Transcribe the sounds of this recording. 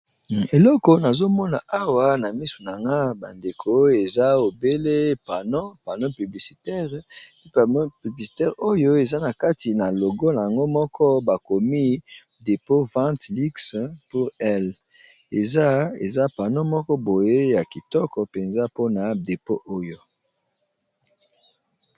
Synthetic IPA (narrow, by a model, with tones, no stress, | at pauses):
e˨lɔ˦ko˨na˨zo˦mɔ˦na˨ʔa˦wa˨na˨mi˦su̥˨n˨a˨ŋɡa˦ba˨nde˨kʰo˦e˨za˦o˨be˦le˦pa˨nɔ˦pa˨no˦py˨bli˨si̥˨tɛ˦ʁppy˨bli˨si̥˨tɛ˦ʁo˦jo˦e˨za˦na˨ka˦ti˨na˨lo˨ɡɔ˦na˨ja˨ŋɡo˦mɔ˦kʰɔ˦ba˨ko˨mi˦ | de˨po˦vã˦tli˦kspu˦ʁɛ˦l | e˨za˦ḛ˨za˦pa˨no˦mɔ˦kɔ˦bo˨je˦ja˨ki˨tɔ˦kɔ˨pe˨nza˦po˦na˨de˨po˦ʔo˦jo˦